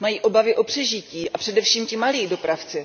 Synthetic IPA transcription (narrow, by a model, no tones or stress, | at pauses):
majiːʔo̞bavɪʔo̞pr̝̥ɛʒɪciːʔapr̥ɛdɛfʃiːmcɪmaliːdo̞pɾaft͡sɪ